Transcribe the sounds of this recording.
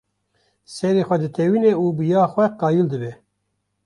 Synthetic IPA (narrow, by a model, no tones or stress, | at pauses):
sɛɾeːxʷɛd̪ɨt̪ʰɛwiːneːuːbɨjɑːxʷɛqɑːjuld̪ɨbɛ